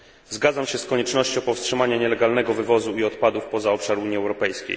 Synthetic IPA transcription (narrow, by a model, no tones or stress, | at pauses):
zɡad̪zamɕɛskɔɲɛt͡ʂnɔɕt͡ɕɔ̃w̃pɔfstʂɘmaɲaɲɛlɛɡalnɛɡɔvɘvɔzuiɔt̪pad̪ufpɔzaɔpʂaɾuɲjiɛwɾɔpɛjskʲḛj